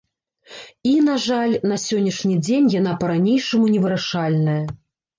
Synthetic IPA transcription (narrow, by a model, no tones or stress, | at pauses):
inaʐalʲn̪ɐsʲɔnʲːɐʂnʲid͡zʲenʲjanapɐɾanʲejʂɐmunʲɛvɨɾaʂalʲnɐjɐ